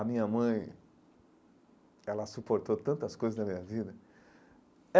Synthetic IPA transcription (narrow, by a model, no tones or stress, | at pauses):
ɐmĩɲɐmɐ̃j̃ | ɛlɐsupoɾt̪ot̪ɐ̃nt̪ɐskojzɐznɐmĩɲɐvid̪ɐ | ɛ